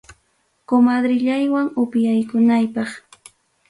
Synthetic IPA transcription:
komad̪ɾɪʎajwaŋʊpjajkʊnajpɑχ

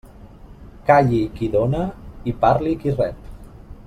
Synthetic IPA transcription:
kaʎikiðonəipaɾlikirɛp

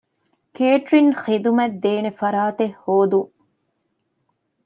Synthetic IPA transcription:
keːʈɾinχid̪umɐd̪ːeːnefɐɾaːt̪ehːoːd̪uŋ

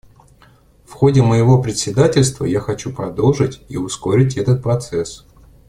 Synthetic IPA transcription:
fxo̞dʲɪməjɪvo̞pɾʲɪt̪sʲɪd̪atʲɪlʲst̪və̰jaxɐt͡ɕupɾɐd̪o̞lˠʐɨtʲiʊsko̞ɾʲɪt̬ʲɛt̪ət̪̚pɾɐt̪sɛs

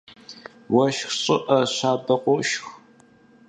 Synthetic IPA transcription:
wɐʃxɕʼɪʔɐɕaːbɐqʷʊʃx

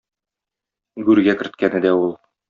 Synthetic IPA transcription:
ɡʉɾɡækɘ̆ɾt̪̚kænɘd̪æulˠ

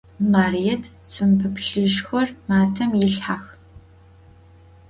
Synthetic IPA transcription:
maːrijɛtʰ | t͡sʰʼʊnpʰɨpʰɬɨʃxʷɔrmaːtʰɐmjɪɬħax

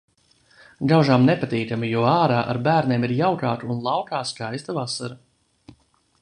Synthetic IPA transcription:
ɡawʒamnepat̪iːkamijuɔaːɾaːʔaɾbæːɾnʲeːmiɾjawkaːk̪uunlˠɑwkaːskajst̪avasaɾa

